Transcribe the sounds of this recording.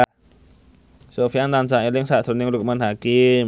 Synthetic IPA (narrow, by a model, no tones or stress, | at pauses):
sofiant̪ansaŋelɪŋsaʔd̪̥ɾonɪŋluk̚manɦakɪm